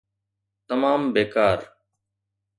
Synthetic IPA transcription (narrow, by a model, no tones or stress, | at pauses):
t̪əmaːmbeːkaːɾ